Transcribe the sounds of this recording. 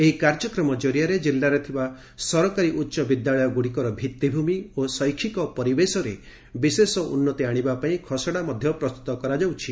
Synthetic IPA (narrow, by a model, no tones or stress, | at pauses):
eɦikaɾd͡ʒɔkɾɔmɔd͡ʒɔɾijaɾed͡ʒilːaɾet̪ʰiba | sɔɾɔkaɾiʔutːʃɔbid̪ːaɭɔjɔɡuɽikɔɾɔbʱit̪ːibʱumiosɔjkʰikɔpɔɾibesɔɾe | bisesɔʔṵnːɔt̪iaɽ̃ibapaĩkʰɔsɔɽamɔd̪ʱjɔpɾɔst̪u̥t̪ɔkɔɾad͡ʒawt͡ʃʰi